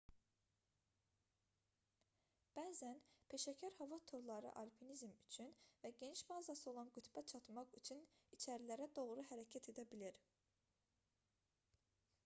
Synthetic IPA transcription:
b̥æːzænpʰe̞ʃæcʰæɾhɑvɑt̪ʰo̞ɾlˠɑɾɯ̰ʔɑlʲpʰinizmyt͡ʃʰynvæɟe̞niʃmɑːzɑsɯo̞lˠɑnɡyt̪ʰbæt͡ʃʰɑt̪mɑʁyt͡ʃʰynit͡ʃʰæɾilæɾæd̪o̞ʁɾuɦæɾæcʰæt̪ʰe̞d̪æbiliɾ

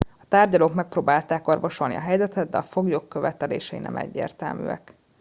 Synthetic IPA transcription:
ɒ̥t̪aːrɟɒloːkmɛk̚proːbaːlt̪aːko̞rvo̞ʃo̞lnḭɒɦɛjzɛt̪ɛd̪̚d̪ɛ̰ɒfo̞ɡjokːø̞vɛt̪ɛlḛːʃɛinɛ̰mɛ̰ɟːḛːrt̪ɛ̰lmy̰ːɛ̰k

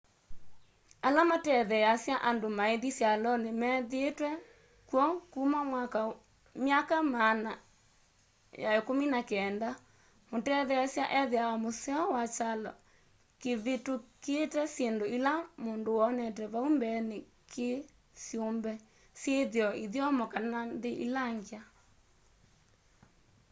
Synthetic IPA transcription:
alamatɛðɛjasjaʔandomaeðisjalɔnemɛðetwɛ | kwɔkumamwaka | mjakamana | ja̰ekominakɛnda | motɛðɛjasjaʔɛðeaamosɛɔwat͡ʃalɔ̰ | keβetoketɛsjendoilamondowɔnɛt̬ɛβaumbɛne | kʰe | sjombɛ | sjeðjɔiðjɔmɔkananðeʔilaŋɡea

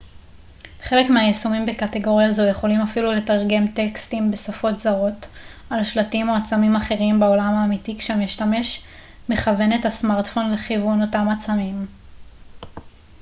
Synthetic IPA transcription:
χe̞le̞kmeajesumimbe̞kate̞ɡo̞ʁjazoje̞χo̞limafilule̞taʁɡe̞mtekstimbe̞safo̞tzaʁo̞t | alaʃlatimo̞at͡samimaχe̞ʁimbeo̞lamaːmitikʃeamiʃtame̞ʃ | me̞χave̞ne̞thasmaʁtfo̞nleχivuno̞tamat͡samim

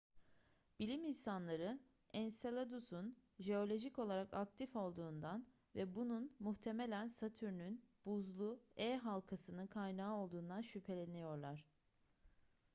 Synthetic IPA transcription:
b̥ilʲiminsanlˠaɾɯ | ɛnselˠad̪usunʒe̞o̞lʲo̞ʒico̞lˠaɾakak̚t̪ʰifo̞lˠd̪uːnd̪an | vɛbununmuht̪ʰe̞me̞lʲænsat̪ʰyɾnynb̥uzlˠuɛɦalˠkʰasɯnɯkʰajnaːo̞lˠd̪uːnd̪anʃypʰe̞lʲenejo̞ɾlˠaɾ̥

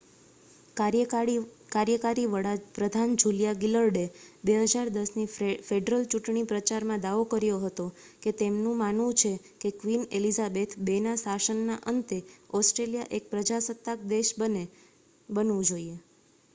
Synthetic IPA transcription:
kaɾjəkaɾiʋəɭapɾəd̪ʱand͡ʒuljaɡiləɾɖebeɦəd͡ʒaɾd̪əsnifeɖɾəlt͡ʃuʈɳipɾət͡ʃaɾmãd̪aʋokəɾjoɦət̪o | ket̪emnũmanʋũt͡ʃʰe | kekʋinelizabet̪ʰbenasaʃənːaʔənt̪eɔsʈɾelijaʔek̚pɾəd͡ʒasət̪ːak̚d̪eʃbəne | bənʋũd͡ʒoie

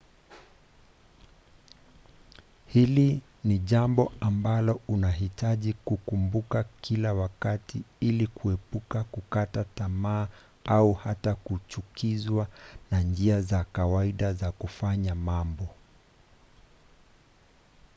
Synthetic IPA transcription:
hili | niʄambɔambalɔunaɦitaʄikukumbukakʰilawakatʰiilikʰuɛpukakukatatamaː | auhatakut͡ʃukʰizwanand͡ʒiazakawaiɗazakufaɲamambɔ

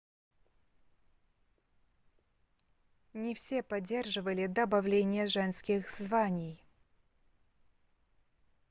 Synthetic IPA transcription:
nʲɪfsʲepɐdʲːe̞rʐɨvəlʲɪd̪əbɐvlʲenʲɪjəʐɛnskʲɪxzzvanʲɪj

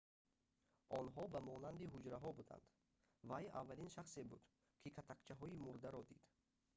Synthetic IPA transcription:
ʔɔnɦɔbamɔnand̪iɦud͡ʒɾaɦɔbud̪a̰nd̪̥ | vaja̰vːalinʃaχsebud̪ | kʰikʰat̪ʰakt͡ʃʰaɦɔimuɾd̪aɾɔd̪id̪̥

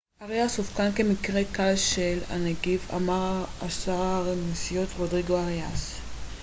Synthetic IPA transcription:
aʁejasofkanke̞mikʁekalʃela̰neɡiva̰maʁaasaʁaaʁnisijo̞tʁodʁiɡoaʁas

